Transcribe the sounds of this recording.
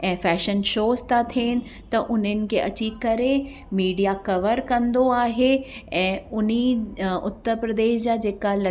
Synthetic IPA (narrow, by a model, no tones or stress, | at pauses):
ɛ̃ːfɛːʃənʃoːst̪at̪ʰeːnɪ̆ | t̪ɐʔʊn̤ənɪ̆kʰeːʔɐt͡ɕikɐɾe | miːɖijakɐʋəɾkɐ̃nd̪oaːɦeɛ̃ːʊn̤iʊt̪ːəɾpɾəd̪eːʃd͡ʑaːd͡ʑeːkalɐ